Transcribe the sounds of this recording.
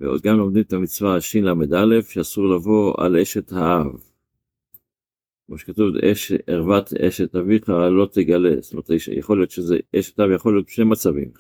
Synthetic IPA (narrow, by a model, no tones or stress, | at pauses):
veo̰d̪ɡamo̞md̪imet̪amit͡svaʃinlamed̪ale̞fʃeasuʁlavo̞a̰leʃet̪haav | kmoʃekat̪uveʃeʁvat̪eʃet̪aviχalo̞t̪eɡalest̪omet̪ja̰χo̞lijot̪ʃezeʔeʃet̪haavjaχo̞lijo̞t̪ʃnemat͡savḭm